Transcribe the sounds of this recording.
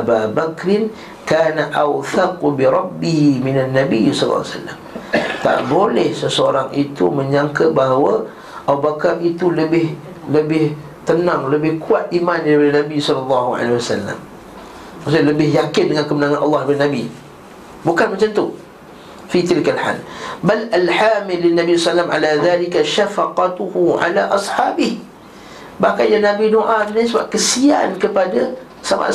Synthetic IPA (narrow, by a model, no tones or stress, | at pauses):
ababakɾɪn | kaːnaʔawθaqbiɾˤɑbːihimɪnanːabisɔl̰l̰ːsa̰lːa̰mt̪a̰ʔbolɛhsəsəoɾaŋit̪ṵmə̃ɲaŋkabaɦawa | ʔaubakarit̪uləbɪh | ləbɪh | t̪ənãŋləbɪhkuat̪̚ʔimãndaɾipadanãbisɔlɑlːɑɦua̰lewasalːa̰m | masaləbɪhjakɪndəŋãnkəmənãŋãnʔɑ̰lːɑhəbɪnabi | bukanmat͡ʃant̪u | fit̪ɪlkalħa̰lbalalħaːmɪlːɪnːabissalːamʕa̰laðalikaʃafaqɑt̪uhuʕa̰laʔɑsħaːbɪh | bahkanjaŋnãbinoʔasunasəba̰p̚kəsia̰nkəpada | sama̰ʔ